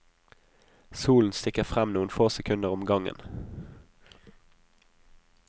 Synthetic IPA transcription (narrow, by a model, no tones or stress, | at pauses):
suːln̩st̪ɪkəʁfʁɛmnuːnfoːsɛkʰʉnəʁɔmɡɑŋə̰n